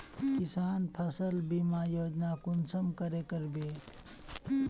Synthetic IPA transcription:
kisaːnpʰəsəlbimaːjoːd͡ʒnakunsəmkəɾekəɾbe

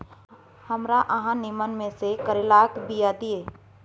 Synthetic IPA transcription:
hɐmɾaʔəɦãnɪmənmẽsekəɾɪlaːkd̪ijad̪ieː

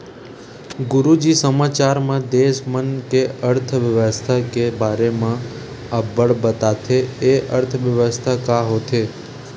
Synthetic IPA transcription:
ɡʊɾud͡ʒisəmat͡ʃaɾmãd̪eʃmənkeəɾt̪ʰəʋjəʋəst̪ʰakebʱaɾemã | abəɭbət̪at̪ʰeeʔəɾt̪ʰəʋjəʋəst̪ʰakaɦot̪ʰe

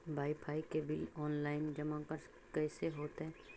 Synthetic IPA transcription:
baːɪpʰaːikebɪlɔːnlaːɪnd͡ʒɐmakəɾ | kɛːseɦoːt̪ɦɛ̃ː

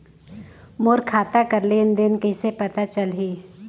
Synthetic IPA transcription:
moːɾkʰaːt̪akɐɾlend̪ɪnkɐɪsepɐt̪at͡ʃəlɦiː

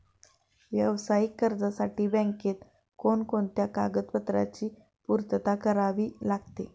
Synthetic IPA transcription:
ʋjəʋsajikːəɾd͡zasaʈiːbɛ̃ŋket̪ | konkoɳt̪jaka̰ɡət̪pət̪ɾa̰t͡ɕiː | puɾt̪ət̪akəɾaʋiːlaɡt̪e

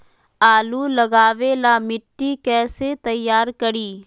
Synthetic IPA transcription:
aːluləɡaːʋelaːmɪʈːikɛːset̪ɐjːaːɾkəɾiː

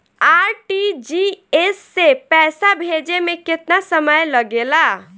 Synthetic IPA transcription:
aɾʈid͡ʒiesːepɛsabʱed͡ʒemeket̪nasəməjləɡela

